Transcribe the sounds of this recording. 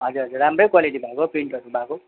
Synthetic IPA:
ɦʌd͡zuɾɦʌd͡zurːamrʌjkwaliʈibʱakopiɳʈʌɾubʱako

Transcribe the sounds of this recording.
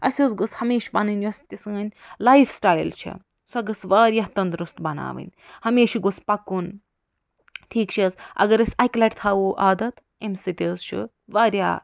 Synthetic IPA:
ɐsʲozɡot͡shɐmeːʃbɐnɨnʲjɐsʲt̪ʲisɨŋɐnʲlaifʰsʈaːjlt͡ʃʰḭ | sɐɡɐsʋaːɾʲjaːt̪ɐnd̪ɾust̪bɐna̰ːʋɨ̰nʲhɐmeːʃiɡuspɐkun | ʈʰiːkt͡ʃʰiɐzɐ̰ɡɐɾɐsʲɐjklɐʈt̪ʰaːʋoːʔaːd̪ɐt̪ | emsit̪ʲizt͡ʃʰḭ | ʋaːɾʲja̰ː

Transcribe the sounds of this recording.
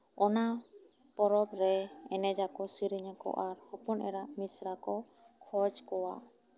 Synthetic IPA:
ɔna | pɔɾɔbɾɛɛnɛd͡ʒakɔsiɾiɲakɔ̰ʔaɾhɔpɔnʔɛɾaʔmisɾakɔkʰɔd͡ʒkɔwa̰

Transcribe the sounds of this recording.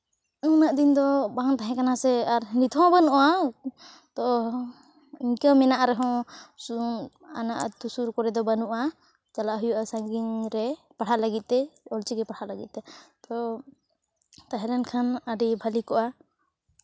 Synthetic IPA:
unaʔd̪ind̪ɔbaŋt̪aɦɛ̃kanasɛaɾnit̪ʰɔ̃banuʔa | t̪ɔ | iɲkamɛnaʔaɾɛɦɔ̃u | anaʔt̪usuɾkɔɾɛd̪ɔbanuʔa | t͡ʃalaʔɦujuʔasaŋɡinɾɛ | paɽʰaʔlaɡit̪̚t̪ɛɔlt͡ʃiɡɛpaɽʰaʔlaɡḭt̪̚t̪ɛt̪ɔ | t̪aɦɛɾɛnkʰanaɖibʱalikɔʔa

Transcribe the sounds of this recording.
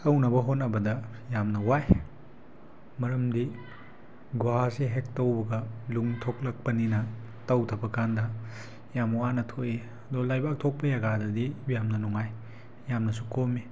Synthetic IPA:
ɐwnɐbɐɦonɐbɐdɐ | jamnɐwaj | mɐɾɐmdi | ɡwaɦaseɦek̚tɐwbɐɡɐluŋtʰoklɐk̚pɐninɐ | tɐwtʰɐbɐkandɐ | jamwanɐtʰoʔe | ɐd̪olajbak̚tʰok̚pɐjaɡadɐdibjamnɐnuŋaj | jamnɐsukomi

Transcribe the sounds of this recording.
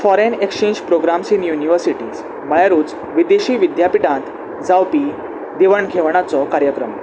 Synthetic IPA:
fɔɾenekst͡ɕẽɲd͡ʑpɾoɡɾamsinjuniʋəɾsiʈiːz | məjaɾuːt͡s | ʋid̪eɕiːʋid̪japiʈãnt̪ | d͡zawpiː | d̪eʋəɳkʰeʋɳ̃at͡sɔkaɾjəkɾəm

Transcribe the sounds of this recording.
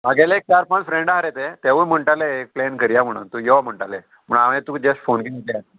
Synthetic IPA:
maɡelek̚t̪aɾpãnfɾẽɳɖaɦaɾet̪et̪eʋum̤əɳʈaleːk̚plenkəɾjam̤əɽ̃ṵnt̪ujɔm̤əɳʈale | m̤əɳaʋẽt̪ud͡ʑəsʈfonkimət̪ea

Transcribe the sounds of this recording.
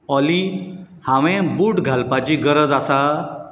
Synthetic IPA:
ɔlihãʋẽbuːʈɡʱalpat͡ɕiɡəɾəd͡zasa

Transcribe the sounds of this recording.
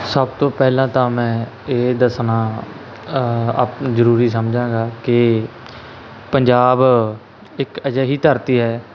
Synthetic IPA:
səb̚t̪õːpɛːlãːt̪ãːmɛ̃ːeːd̪əsnãː | apzəɾuːɾiːs̬əmd͡ʒãːɡaːkɪ | pəɲd͡ʒaːb | ɪkəd͡ʒəːɦiːt̪əɾt̪iːɦɛː

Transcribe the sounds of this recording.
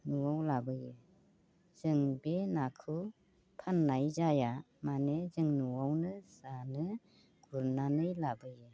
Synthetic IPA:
nuwawlabɯjɯ | z̥ɯŋbenakʰɯ | pʰanːajzaja | manezɯŋnuwawnɯsanɯ | ɡ̥uɾnanɯjlabɯjɯ

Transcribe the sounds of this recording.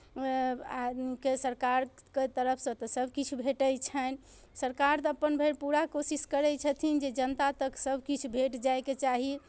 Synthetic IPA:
aikesəɾkaɾket̪əɾəpʰsə̃t̪ɔsəbʱkit͡ʃʰubʱeʈəjt͡ʃʰən | səɾkaɾt̪ɔəpːənbʱeɾpuɾakosiskəɾɛt͡ʃʰət̪ʰind͡ʒed͡ʒənt̪at̪əksəbʱkit͡ʃʰubʱeʈd͡ʒajket͡ʃaɦi

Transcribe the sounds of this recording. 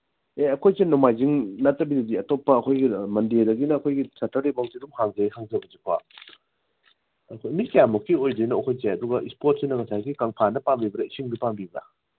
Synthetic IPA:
eɐkʰojsenomajziŋnɐtːɐbidɐdiɐtopːɐːkʰojɡimɐndedɐɡinɐːkʰojɡisatːɐɾibawsidumhaŋzɐjhaŋzɐbɐzikʰa | ɐkʰomikjamukʰːiojd͡ʒɐjnoɐkʰojzeɐduɡɐʔispot̚sinɐŋɐsajkikaŋpʰanɐpambibɐɾɐisiŋbipaŋbibɾa̰

